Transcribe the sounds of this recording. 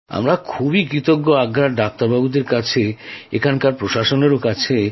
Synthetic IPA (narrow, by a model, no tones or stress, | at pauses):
a̰mɾakʰubikɾit̪oɡːoaɡɾaɾɖak̚t̪aɾbabud̪eɾkat͡ɕʰeekʰankaɾpɾoʃaʃoneɾokat͡ɕʰe